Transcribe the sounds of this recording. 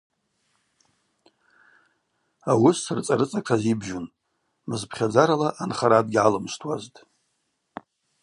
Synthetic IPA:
awʊsɨrt͡sʼaɾɨt͡sʼakʰazibʒun | mɨzpʰχʲad͡zaɾalaʔanχaɾadɡʲʕalɨmstʰʼwaztʼ

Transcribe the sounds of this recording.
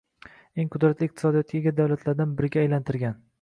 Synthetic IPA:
e̞ŋqʰʊd̪ɾat̪lɪɪq̚t̪ɪ̥sɒd̪ijɒt̪ɡʲaɡʲad̪awlat̪ʰlaɾd̪anbɪɾɪɡʲaːjlant̪ʰɪɾɡʲan

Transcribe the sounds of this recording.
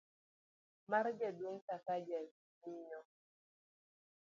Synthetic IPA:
maɾd͡ʒɛdweŋkakad͡ʒɛ | miɲɔ

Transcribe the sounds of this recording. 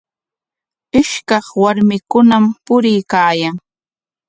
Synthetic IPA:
ɪʃkɑχwaɾmɪkʊnampʊɾɪjkaːjaŋ

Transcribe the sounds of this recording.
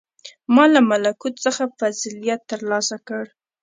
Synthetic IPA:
mɑlamalakut̪səxafazilijat̪ːəɾlɑsakəɽ

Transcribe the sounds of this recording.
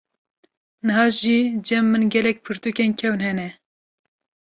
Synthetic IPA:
nɨɦɑːʒiːd͡ʒɛmːɨnɡʲɛlɛk̚pʰɨɾt̪ukenkʰɛwɨnhɛnɛ

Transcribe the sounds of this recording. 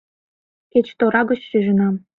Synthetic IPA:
ket͡ɕt̪oɾɑɣɡɤ̆t͡ɕʃyʒə̆nɑm

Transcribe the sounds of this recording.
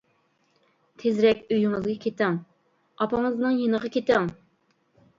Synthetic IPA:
t̪ʰezɾɛkʲøjyŋɨzɡɑkʲʰet̪ɪŋ | ɑpɑŋɨznɨŋjenəʁɑkʲʰet̪ɪŋ

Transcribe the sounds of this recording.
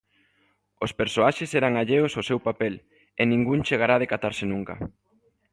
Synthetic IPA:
ospeɾsoaʃesɛɾaŋaʎeososewpapel | enĩŋɡunt͡ʃeɣaɾaðekat̪aɾsɪnũŋka̰

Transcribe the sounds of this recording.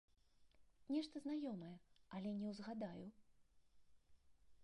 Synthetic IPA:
nʲɛʂt̪ɐzn̪ajɔmɐjɛɐlʲɛnʲɛwzɣad̪aju

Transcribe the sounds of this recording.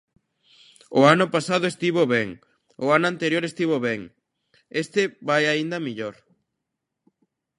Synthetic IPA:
ʊanʊpasaðʊest̪iβoβɛŋ | ʊanʊãnt̪eɾjoɾest̪iβoβɛŋ | est̪ɪβajaind̪ɐmiʎoɾ

